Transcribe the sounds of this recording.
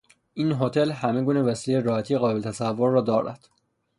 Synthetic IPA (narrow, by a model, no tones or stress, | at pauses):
ʔiːnɦot̪ʰe̞lhæme̞ɡuːnevæsiːlejeɾɒːhæt̪ʰijeɣɒːbelet̪ʰæsævːoɾːɒːd̪ɒːɾæ̰d̪̥